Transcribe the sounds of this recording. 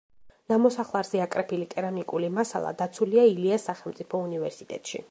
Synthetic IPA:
namɔsaχlˠaɾzɛakʼɾɛpʰilit̪ʼɛɾanikʼulimasa̰lˠa̰d̪at̪sʰuliailiasːaχɛlˠmt̪sʼipʰɔunivɛɾsit̪ʼɛ̰t̪ʼʃḭ

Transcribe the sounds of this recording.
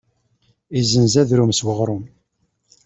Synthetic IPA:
izənzæðɾumswəʁɾˤʊm

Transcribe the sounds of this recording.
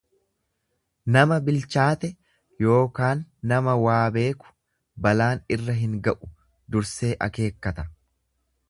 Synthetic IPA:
nɐmɐbɪlt͡ʃaːt̪ɛ | jo̞ːkaːnːɐmɐwaːbe̞ːkʊ̥ | bɐlaːnɪrːɐɦɪŋɡɐʔʊ̥ | d̪ʊɾse̞ːʔɐ̰ke̞ːkːɐt̪ɐ

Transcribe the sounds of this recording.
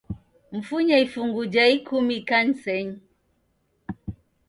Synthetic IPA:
m̩fuɲɛifuŋɡud͡ʒaikʰumikan̩sɛɲ

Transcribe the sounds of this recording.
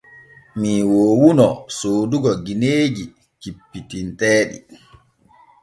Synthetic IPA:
miwoːwunɔsoːduɡɔɡineːd͡ʒi | kipːitintɛːɗḭ

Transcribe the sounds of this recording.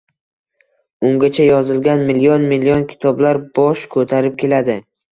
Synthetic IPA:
ʊŋɡʲat͡ʃʰajɒzɪlɡʲanmɪlijɒnmɪlːijɒnkʲʰɪ̥t̪ʰɒblaɾb̥ɒʃkʰɵt̪ʰaɾɪp̚kʲʰe̞lad̪ɪ

